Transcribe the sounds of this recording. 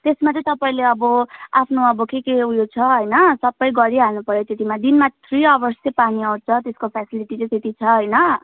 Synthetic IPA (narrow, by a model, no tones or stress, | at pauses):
t̪esmat͡sʌ̃ĩt̪ʌpaĩleʌbʌapʰnoʌbʌkekeujot͡sʰʌɦʌjnʌsʌbːʌjɡʌɽiɦanupʌɾjet̪et̪imad̪inmat̪ʰriʌbʌrsjepaniʌwt͡sʰʌt̪eskopʰasiliʈit͡sʌ̃t̪et̪it͡sʰʌɦʌjnʌ